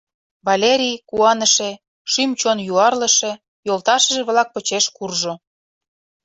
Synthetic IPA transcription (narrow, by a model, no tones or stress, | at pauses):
βɑlʲeɾʲijkuɑnə̆ʃe | ʃymt͡ɕonjuɑrlə̆ʃe | jolt̪ɑʃə̆ʒeβlɑk̚pə̆t͡ɕeʃkurʒo